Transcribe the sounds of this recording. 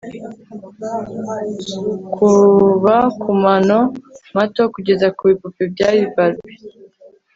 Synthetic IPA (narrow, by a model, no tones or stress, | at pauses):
kʰuβakʰumano̞mato̞kuɟe̞zakuβipupebɟaːβivaɾɡe